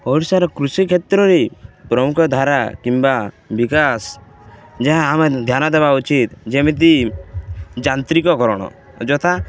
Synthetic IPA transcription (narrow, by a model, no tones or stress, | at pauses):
ɔɽsaɾɔkɾusikʰet̪ɾɔɾepɾɔmukʰɔd̪ʱaɾa̰kimba | bikas | d͡ʒeɦãamed̪ʱjanɔd̪ebaut͡ʃit̪d͡ʒemit̪̬i | d͡ʒant̪ɾikɔkɔɾɔɽ̃ɔ̰ | d͡ʒɔt̪ʰa